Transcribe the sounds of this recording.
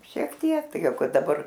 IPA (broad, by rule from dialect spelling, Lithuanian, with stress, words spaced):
ʃʲiɛk ˈtʲiɛk ˈtɐɪ ˈjɛʊ ˈkɐt dɐˈbɐr